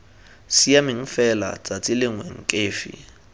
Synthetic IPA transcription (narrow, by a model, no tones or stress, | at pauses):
siamɪŋ̩fɛla̰t͡sʼat͡sʼɪlɪŋwɛŋ̩kʼeːfɪ̰